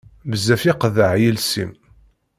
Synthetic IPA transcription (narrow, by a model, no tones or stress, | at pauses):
bəzæfiqðəʕjilsḭm